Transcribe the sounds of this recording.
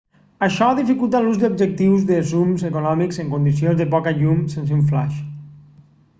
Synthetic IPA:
aʃɔaðifikulˠt̪aluzd̪ubd͡ʒek̚t̪iwzðesumzekonɔmikseŋkond̪isionzðepɔkaʎumsensuɱfla̰ʃ

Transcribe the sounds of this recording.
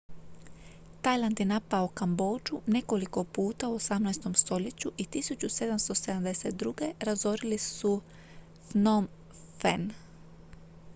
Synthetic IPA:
t̪ajlˠand̪jenapaokambo̞ːd͡ʒune̞ko̞liko̞puːt̪auosamnajst̪o̞mst̪o̞ʎe̞t͡ɕuʔit̪isut͡ɕuse̞d̪amst̪o̞se̞d̪amd̪eset̪̚d̪ɾuɡe̞ɾazo̞ɾilisu | fnom | fen

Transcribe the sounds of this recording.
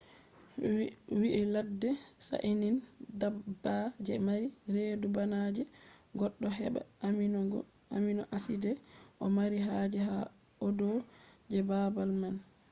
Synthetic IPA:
wiʔiladːɛsa̰ʔinindabːad͡ʒɛmaɾiɾedubanad͡ʒɛɡɔɗːɔɦɛɓɛ̰mɡ | aminɔʔasidɛʔɔmaɾiɦad͡ʒɛɦa | ɔdɔd͡ʒɛbabalman

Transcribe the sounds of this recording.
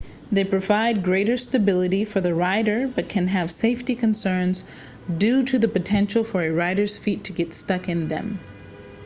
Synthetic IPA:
ðeɪpʰɹ̥ɨvaɪd̚ɡɹeɪɾə˞stɨbɪlˠəɾifə˞ðɨɹaɪɾə˞bʌt̚kʰɨ̃nɨv̥seɪftikʰɨ̃nsɜ̃˞nz | dʉɾɨðɨpɨtʰɛ̃nʃl̩ˠfə˞ɨɹaɪɾə˞z̥fitʰːɨɡɛtstʌkɨ̃nðɨ̰̃m

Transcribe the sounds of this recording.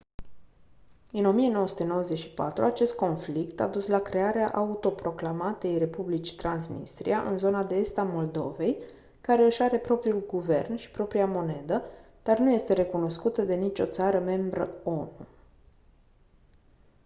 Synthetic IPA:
ɨno̞mijenowəsu̥t̪e̞no̞wəze̞ʃi̥pa̰t̪ɾuat͡ʃe̞st̪̚ko̞nflikt̪a̰d̪uslakɾe̞aɾeaʔaut̪o̞pɾo̞klamat̪e̞jre̞publit͡ʃi̥t̪ɾansnḭst̪ɾḭaʔɨnzo̞nad̪e̞est̪amo̞ld̪o̞̰ve̞j | kaɾe̞ɨʃaɾe̞pɾo̞pɾiulɡuve̞̰rnʃi̥pɾo̞pɾiamo̞ne̞d̪ə | d̪̥arnuje̞st̪e̞ɾe̞kuno̞skut̪əd̪e̞nit͡ʃʲo̞̰t̪saɾəme̞mbɾəo̞nṵ

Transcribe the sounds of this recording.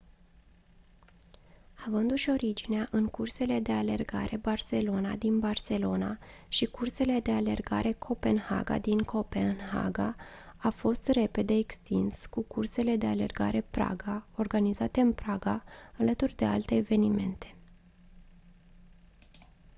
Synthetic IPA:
avɨnd̪uʃo̞ɾid͡ʒineaʔɨŋkurse̞le̞d̪e̞ale̞rɡa̰ɾe̞barse̞lo̞nad̪inbarse̞lo̞naʃikurse̞le̞d̪e̞ale̞̰rɡaɾʔe̞kʰo̞pe̞nha̰ɡa̰d̪iŋkʰo̞penɦa̰ɡaafo̞st̪re̞pe̞d̪e̞ːkst̪inskukurse̞le̞d̪e̞ale̞̰rɡa̰ɾe̞pɾa̰ɡao̞rɡanizat̪e̞ɨnpɾaɡaalət̪urʲd̪e̞a̰lt̪e̞ːve̞nime̞nt̪ʰe̞̥

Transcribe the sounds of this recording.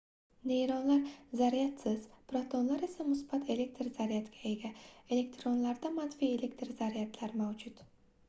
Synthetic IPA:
ne̞jɾɒnlaɾzaɾijat̪sɪz̥pɾat̪ʰonlaɾe̞samʊsbat̪ʰe̞le̞k̚t̪ʰɾzaɾijat̪ɡʲʰae̞ɡʲae̞le̞kʲt̪ɾo̞nlaɾd̪amanfie̞le̞kʲt̪ʰɾzaɾijat̪ʰlaɾmawd͡ʒʊt̪

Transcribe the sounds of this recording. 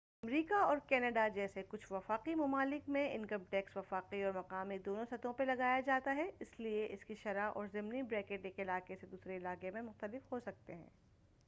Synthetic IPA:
ɐmɾiːkaɔːɾkɛːnəɖad͡ʒɛːsekʊt͡ʃʰʋɐfaːqimɐmaːlɪkmẽɪ̰̃nkɐmʈɛːksʋɐfaːqiɔːɾmɐqaːmid̪oːnõsɐt̪õpelɐɡaːjad͡ʒaːt̪aɦɛɪslieʔɪskiʃɐɾaʔɔ̰ːɾzɪmnibɾɛːkeːʈeːkɪlaːqesed̪uːsɾeɪlaːɡemẽmʊxt̪əlɪfɦosɐk̚t̪eɦɛ̰̃ː

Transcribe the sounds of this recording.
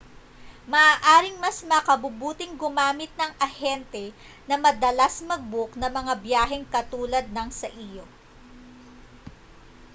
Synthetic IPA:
mɐʔaːʔaːɾɪŋmɐsmɐkɐbʊbuːt̪ɪŋɡʊmaːmɪt̪̚nɐŋʔɐhɛnt̪ɛ | nɐmɐd̪ɐlɐsmɐɡ̚bʊknɐmɐŋabjaːɦɛŋkɐt̪uːlɐd̪̚nɐŋsɐʔiːjo

